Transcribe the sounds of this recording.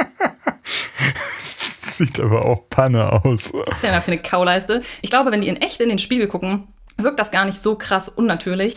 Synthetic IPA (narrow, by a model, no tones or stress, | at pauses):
ɛsz̥iːtʰʔa̰ːbɐʔa̰ʊxpʰanəʔa̰ʊsɛndaːfyɐnəkʰaʊlaɪstəʔɪçɡ̥laʊbəvɛndiːʔiːnʔɛçtɪndeːnʃpiːɡl̩ɡʰʊkŋ̩ | vɪɐk̚td̥asɡ̥aːɐnɪçtz̥oːkʁ̥asʔʊnːatʰyːɐlɪç